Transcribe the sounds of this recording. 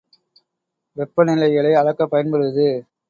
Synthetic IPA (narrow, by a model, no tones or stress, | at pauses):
ʋɛpːɐnɪlɐɪɣɐɭɐɪɐɻɐkːɐpːɐjɐnpɐɻɯʋɐðɯ